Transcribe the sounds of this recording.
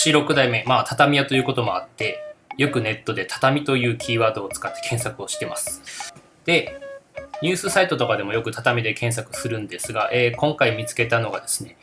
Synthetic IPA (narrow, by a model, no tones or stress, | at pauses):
ɕiɾo̞kɯ̟d̪aime̞maːt̪ʰat̪amʲijat̪o̞jɯ̟ːko̞t̪omo̞a̰t̪ːe̞jo̞kɯ̟ne̞t̪ːo̞d̪e̞t̪ʰḁt̪amʲit̪o̞jɯ̟ːkʲʰiːβaːd̪o̞ːt͡sɨ̥kat̪ːe̞̥kʰẽ̞ɰ̃sakɯ̟o̞ɕi̥t̪e̞masɨ̥ | d̪̥e̞ | ɲ̟ɨːsɨsait̪o̞t̪o̞kad̪e̞mo̞jokɯ̟t̪at̪amʲid̪e̞kẽ̞ɰ̃s̬akɯ̟sɨɾɯ̟̃nd̪e̞sɨɡaʔeːkõ̞ŋkaimʲit͡sɨ̥ke̞t̪ano̞ɡad̪esɨ̥ne̞